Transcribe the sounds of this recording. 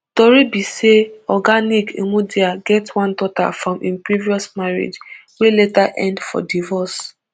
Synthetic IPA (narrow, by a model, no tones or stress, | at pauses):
tɔɾibiseɔɡanikemudiaɡɛtwãndɔta̰fɹɔ̃mʔĩnpɹiviɔsmaɹḛd͡ʒweletaʔɛ̃ndfɔ̰divɔs